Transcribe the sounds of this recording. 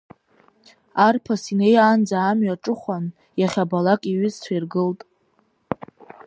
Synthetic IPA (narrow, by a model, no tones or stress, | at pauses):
arpʰasinejand͡zaːmɥaʈ͡ʂʼɨχʷan | jaχʲabalakʼiɥʏzt͡sʷʰairɡɨltʼ